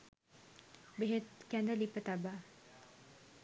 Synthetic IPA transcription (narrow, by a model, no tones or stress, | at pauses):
beɦet̪kænd̪əlipːət̪aba